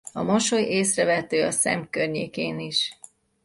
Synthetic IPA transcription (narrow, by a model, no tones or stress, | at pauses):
ɒmoʃo̞jeːsrɛvɛt̪øːɒsɛ̰mkørɲeːkeːniʃ